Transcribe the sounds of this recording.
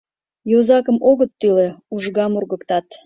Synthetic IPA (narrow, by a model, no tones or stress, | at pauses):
jozɑkəmoɣət̪ːyleuʒɣɑmurɣəkt̪ɑt̪